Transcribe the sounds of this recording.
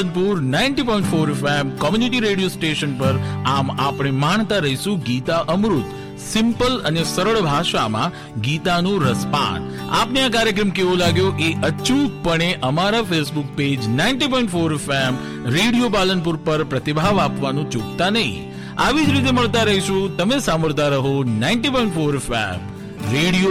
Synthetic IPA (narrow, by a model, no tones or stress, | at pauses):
ənpuɾnaiɳʈipɔĩɳʈfoɾefemkɔmjuniʈiɾeɽijosʈeʃənpəɾamapɽ̃emaɳt̪aɾəɦiʃũɡit̪aʔəmɾut̪ | sɪmpələnesəɾəɭbʱaʃa̰mã̰ | ɡit̪anũɾəspa̰n | a̰pneak̬aɾjək̬ɾəmkeʋõlaɡjoʔeʔət͡ʃuk̪̚pəɽ̃eʔəmaɾafesbuk̚ped͡ʒnaɪɳʈipɔiɳʈfoɾefem | ɾeɽijopalənpuɾpəɾpɾət̪ibʱaʋapʋanũt͡ʃʊkt̪anəɦḭ̃ | aʋid͡ʒɾit̪̬eməɭt̪aɾəɦiʃũt̪əmesaməɾt̪aɾəɦonaɪɳʈipɔĩɳʈfoɾefḛm | ɾeɽijo